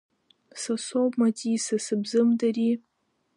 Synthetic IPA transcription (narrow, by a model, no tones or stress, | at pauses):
sasobmatʰisasɨbzɨmdari